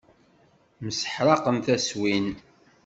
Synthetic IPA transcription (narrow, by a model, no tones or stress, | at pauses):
məsə̥ħɾˤɑqəmθæswin